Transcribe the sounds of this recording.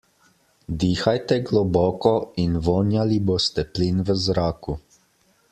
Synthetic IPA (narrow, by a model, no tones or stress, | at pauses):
d̪iːxajt̪ɛɡlɔbɔːkɔinʋɔːnjaliboːst̪ɛplinʋəzɾaːku